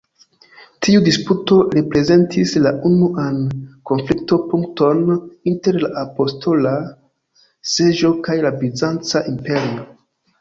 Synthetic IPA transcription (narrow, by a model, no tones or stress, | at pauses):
tʰiudisputo̞ɾepɾe̞ze̞ntʰislaʔunuʔanko̞nflikto̞puŋkto̞ninte̞ɾlaʔapo̞stʰo̞la | se̞ʒo̞kajlabizant͡saʔimpe̞ɾio